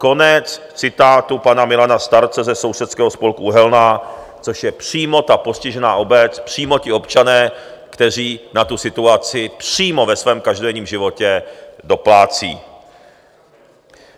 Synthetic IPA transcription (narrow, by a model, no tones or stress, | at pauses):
ko̞nɛt͡s | t͡sɪt̪aːt̪upanamɪlanast̪aɾt͡sɛzɛso̞wsɛt̪skɛːɦospo̞lkuuɦɛlna | t͡so̞ʃjɛpr̝̥iːmo̞t̪apo̞scɪʒɛnaːʔo̞bɛt͡spr̝̥iːmo̞cɪo̞pt͡ʃanɛː | kt̪ɛr̝iːnat̪usɪt̪uat͡sɪpr̝̥iːmo̞vɛsvɛːmkaʒdodɛɲiːmʒɪvo̞cɛdo̞plaːt͡sḭː